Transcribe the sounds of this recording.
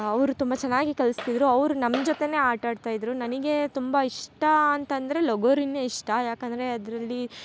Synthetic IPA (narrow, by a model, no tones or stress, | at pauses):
ɐʋɾut̪umbɐt͡ʃɛnːaːɡikɐlist̪id̪ɾuɐʋɾunɐmd͡ʒot̪e̞ne̞ːaːʈaːɖt̪aːjid̪ɾunɐniɡe̞t̪umbɐiʂʈɐːnt̪ɐnd̪ɐɾe̞loɡoːɾinːeiʂʈɐjaːkɐnd̪ɐɾe̞ɐd̪ɾɐlːi